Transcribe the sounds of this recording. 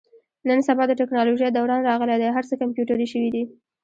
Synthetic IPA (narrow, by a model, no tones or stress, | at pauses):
nənsabɑd̪əʈɪknɑloʒəjd̪awɽɑnɾɑɣəled̪ajɦaɾt͡səkampjuʈaɾiʃəwid̪i